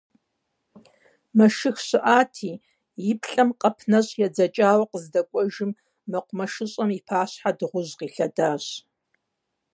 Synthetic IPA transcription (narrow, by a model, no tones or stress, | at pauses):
mɐʃɨxɕɪʔaːtʰiː | jɪpʰɬʼɐmqɐpʰnɐɕʼjɛd͡zɐt͡ʃʼaːwɐqəzdɐkʷʼɔʒɪmː | ɨqʷʊmɐʃɨɕʼɐmipʰaːɕħadɨʁʷʊʑqiːɬɐdaːɕ